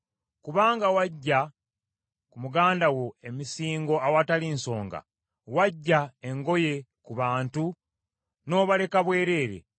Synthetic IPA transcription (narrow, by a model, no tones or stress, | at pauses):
kuβaːŋɡawaɟːa | kumuɡaːndawo̞e̞misiːŋɡo̞awataliːnso̞ːŋɡa̰ | waɟːaeŋɡo̞je̞kuβaːntu | no̞ːβale̞kaβwe̞ːɾe̞ːɾe̞̰